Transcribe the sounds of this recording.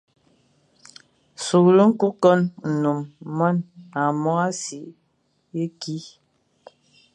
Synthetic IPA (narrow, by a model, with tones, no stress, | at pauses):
su˨lu˦ŋ̩˦ku˦kɔ˦nn̩˨nu˨mːɔ˦na˨mɔ˦a˦si˨ʔ | je˦ki˦